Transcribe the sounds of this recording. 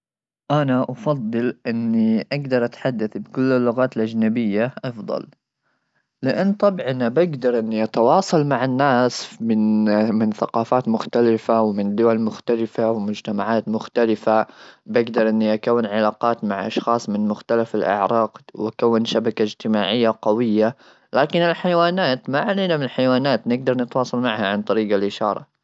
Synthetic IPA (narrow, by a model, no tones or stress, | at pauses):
ʔanaʔɑfɑd̪ˤːɨlʔɪnːiʔaɡd̪ɑɾˤʔat̪ħad̪ːaθbɪkʊlːɪlːʊɣaːt̪ɪlʔad͡ʒnabɪjːaʔɑfd̪ˤɑ̰l | lɪʔanːt̪ˤɑbʕɪnːabaɡd̪ɑɾˤʔɪnːiʔat̪ɑwɑːsˤɑlmaʕanːaːsmɪnmɪnθaqɑːfaːt̪mʊxt̪alɪfawmɪnd̪ʊwalmʊxt̪alɪfawɪmʊd͡ʒt̪amaʕaːt̪mʊxt̪alɪfabaɡd̪ɑɾˤʔɪnːiʔakawːɪnʕalaːqɑːt̪maʕʔɑ̰ʃxɑːsˤmɪnmʊxt̪alafɪlʔa̰ʕɾˤɑːqwʔakawːɪnʃabakaɪd͡ʒt̪ɪmaːʕɪjːaqawɪjːa | laːkɪnɪlħajawaːnaːt̪maʕaleːnamɪnɪlħajwaːnaːt̪nɪɡ̚d̪ɑɾˤnɪt̪wɑːsˤɑlmaʕhaʕant̪ˤɑɾiːɡalʔɪʃɑːɾˤɑ̰